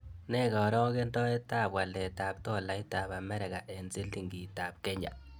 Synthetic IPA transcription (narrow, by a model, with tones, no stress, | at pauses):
nɛ˦ɣɔ˨ɾɔ˦ɣe˦ndɔ˦e˦ta˦˨pwa˨lɛ˨ta˨p̚tɔ˦la˨i˦ta˨ba˨mɛ˦ɾɛ˨ɣa˨ʔe˨nse˦li˦ŋɡi˨ta˨p̚kɛ˦ɲa̰˨